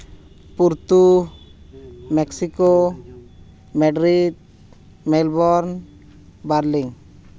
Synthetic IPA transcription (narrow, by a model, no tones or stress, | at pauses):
puɾt̪u | mɛksiko | mɛɖɾid̪̚ | mɛlbɔɾn | baɾliŋ